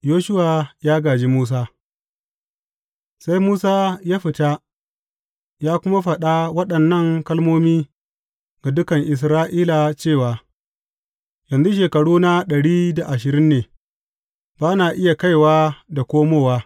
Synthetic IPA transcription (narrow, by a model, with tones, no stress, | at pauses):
joː˦ʃʊ˦waː˨jaː˦ɡaː˨d͡ʒi˦muː˦s̬aː˦ | sa˦jmuː˦saː˦jaː˦ɸɪ˨ta˦ | jaː˦kʷʊ˦ma˦ɸɐ˨ɗa˦wɐ˦ɗɐ˨nːɐ˦˨ŋkɐ˦lmoː˦miː˦ | ɡa˨dʊ˦kɐ˨ŋʔɪ˨s̬ɾaː˦ʔiː˦la˨t͡ʃeː˦˨waː˨ | jɐ˨nzu˦ʃ̬eː˨kɐ˨ɽuː˦na˦ɗɐ˨ɽiː˦da˨ʔa˨ʃɪ˨ɾɪ˦nːeː˨ | baː˦naː˨ʔɪ˦ja˨ka˦˨jwaː˦da˨kʷoː˦moː˦˨waː˦